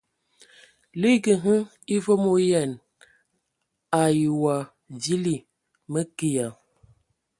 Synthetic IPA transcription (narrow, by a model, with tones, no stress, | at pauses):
li˦kə˨ɦə˦ŋ | i˦vo˦mo˦jɛ˨n | a˨ji˨wa˨ | di˦li˨ | mə˦ki˨ja˨